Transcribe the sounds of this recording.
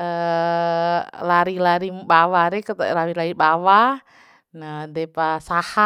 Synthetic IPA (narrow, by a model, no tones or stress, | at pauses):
ə | laɾilaɾibawaɾɛkt̪lawilaibawa | nadɛpasaha